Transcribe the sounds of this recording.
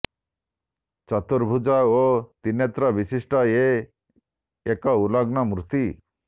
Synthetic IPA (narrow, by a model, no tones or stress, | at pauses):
t͡ʃɔt̪uɾbʱud͡ʒaot̪inet̪ɾɔbisisʈɔe | ekɔulɔɡnɔmɾut̪i